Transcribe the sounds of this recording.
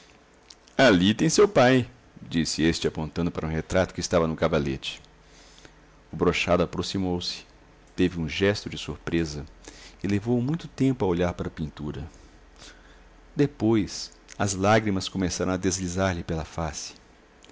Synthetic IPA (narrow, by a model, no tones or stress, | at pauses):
alit̪ẽj̃sewpaj | d͡ʒisɪest͡ʃɪapõnt̪ɐ̃nd̪ʊpaɾɐũɦet̪ɾat̪ʊ̥kɪst̪avɐnʊkavalet͡ʃɪ̥ | ʊbɾoʃad̪ʊapɾosimowsɪ̥ | t̪evɪũʒɛst̪ʊd͡ʒɪsuɾpɾezɐɪlevowmũj̃t̪ʊt̪ẽmpʊɐoʎaɾpaɾɐpĩnt̪uɾɐ | d̪epojs | ɐzlaɡɾimɐskomesaɾɐ̃w̃ɐd̪ezlizaɾʎɪpelɐfasɪ̥